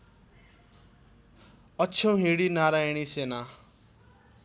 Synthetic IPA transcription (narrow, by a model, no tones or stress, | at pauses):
ʌt͡sʰõɦiɽinaɾajɽ̃isena